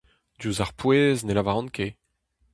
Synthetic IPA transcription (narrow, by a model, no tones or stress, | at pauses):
d̪juzaʁpweznelavaʁɔ̃nkʰe